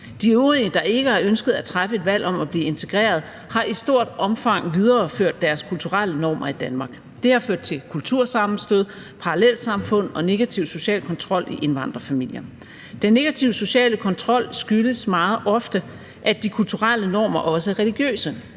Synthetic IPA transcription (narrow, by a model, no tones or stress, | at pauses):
d̥iøʊʁiəd̥ɑ̈e̝ɡ̥əɑ̈ønsɡ̥əð̞̩ˠæt͡sʰʁafəe̝d̥ʋæl̰ʔɒ̽mæb̥liːe̝nt͡sʰe̝ɡ̥ʁɛ̰ːɐð̞ˠ | hɑ̈ʔisd̥o̝ɐ̰d̥ɒ̽mfɑ̈ŋ̰ʋið̞ˠɐːføɐ̰d̥ːæɐskʰult͡sʰuʁal̰ənɒ̰ːmʔɐid̥ænmɑ̈ːɡ̥ | d̥e̝hɑ̈føɐ̰d̥̚t͡sʰe̝lkʰult͡sʰuɐ̰sɑ̈m̩sd̥øð̞ˠ | pʰɑ̈ʁlel̰sɑ̈mfɔ̽n̰ɒ̽ne̝ɡ̥æt͡sʰiʊ̰so̝ɕɛ̰ːlkʰɒ̽nt͡sʰʁɒ̽l̰iʔe̝nʋɑ̈n̰d̥ʁɐfæmil̰jɐ | d̥enːe̝ɡ̥æt͡sʰiʊ̰so̝ɕɛ̰ːləkʰɒ̽nt͡sʰʁɒ̽l̰sɡ̥yləsmɑ̈ːð̞̩ˠʔɒ̽fd̥ə | ʔæd̥ikʰult͡sʰuʁal̰ənɒ̰ːmɐʔɒ̽səæɐʁɛliɡ̥jø̰ːsə